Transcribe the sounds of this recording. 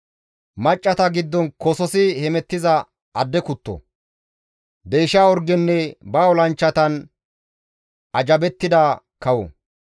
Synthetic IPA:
mɐt͡ʃʼːɐt̪ɐɡɪd̪ːɔnkɔsɔsɪhɛmɛt̪ːɪzɐ | ɐd̪ːɛkʊt̪ːɔ̰ | d̪ejʃaːɔɾɡɛnːɛbaɔlɐnt͡ʃːɐt̪ɐn | ʔɐd͡ʒɐbɛt̪ːɪd̪a | kɐwɔ̰

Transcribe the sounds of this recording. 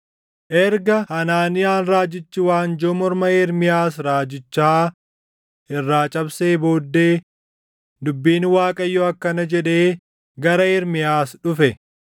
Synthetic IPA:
ʔɛɾɡɐhɐnaːnɪjaːnɾaːd͡ʒɪt͡ʃːɪwaːnd͡ʒɔmɔɾmɐɛɾmɪjaːsɾaːd͡ʒɪt͡ʃːaaː | ɪrːaːt͡ʃʼɐbseːbo̞ːd̪ːe̞ː | d̪ʊbːiːnwaːkʼɐjːɔɐkːɐnɐd͡ʒɛᶑe̞ː | ɡɐɾɐɛɾmɪjaːsᶑʊfɛ

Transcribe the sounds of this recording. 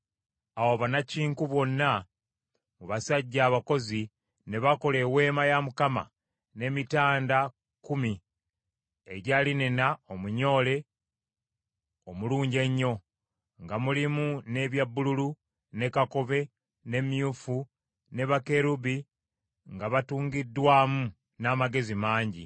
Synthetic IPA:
awoβanaciːŋkuβo̞nːa | muβasaɟːaːβako̞zi | ne̞βako̞le̞we̞ːmajamukama̰ | ne̞mitaːnda | kumi | ḛɟaːlinenaomuɲo̞ːle̞ | omuluːɲɟe̞ɲːo̞ | ŋɡamulimune̞βjabːululu | ne̞kako̞βe̞ | ne̞mjufu | ne̞βake̞ɾuβi | ŋɡaβatuːŋɡidːwaːmu | naːmaɡe̞zimaːɲɟḭ

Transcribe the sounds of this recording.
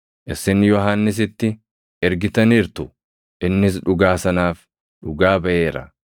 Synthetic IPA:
ʔɪsːɪnːɪjɔɦanːɪs̬ɪt̪ːɪ | ɛɾɡɪt̪ɐniːɾt̪ʊ | ʔɪnːɪs̬ᶑʊɡaːsɐnaːf | ᶑʊɡaːbɐʔe̞ːɾɐ̰

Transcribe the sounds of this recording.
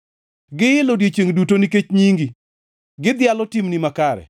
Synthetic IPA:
ɡɪjɪlodjet͡ʃeŋdutoniket͡ʃɲiŋɡi | ɡɪd̪jalɔtimnimakaɾɛ̰

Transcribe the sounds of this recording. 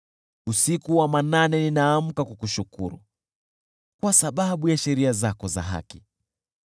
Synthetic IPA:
usikuwamananɛninaːm̩kakukuʃukṵɾṵ | kwasaɓaɓujaʃɛɾiazakɔza̰ɦa̰ki

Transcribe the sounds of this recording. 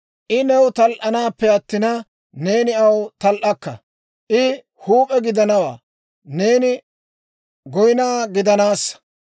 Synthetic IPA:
ʔɪnɛwt̪ɐlʔɐnaːpːɛɐt̪ːɪnɐ | ne̞ːnɪɐwt̪ɐlʔɐkːɐ̰ | ʔɪ | huːpʼɛɡɪd̪ɐnɐwa̰ː | ne̞ːnɪ | ɡɔjɪnaːɡɪd̪ɐnaːsːɐ̥

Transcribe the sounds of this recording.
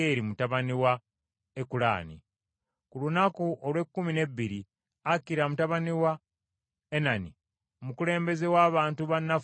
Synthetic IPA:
eːɾimutaβaniwa | ekula̰ːnḭ | kulunakuʔolwe̞kːumine̞bːiɾi | akːiɾamutaβaniwa | enanḭ | omukule̞ːmbe̞ze̞waːβaːntuβanːa

